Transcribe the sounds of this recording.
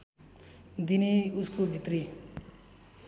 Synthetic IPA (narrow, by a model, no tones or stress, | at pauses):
d̪iniuskobʱit̪ri